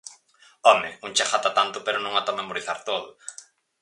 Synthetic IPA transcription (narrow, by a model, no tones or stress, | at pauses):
ɔmɪuŋt͡ʃaxat̪at̪ant̪ʊpeɾʊnõŋat̪ɔmemoɾiθaɾt̪oðʊ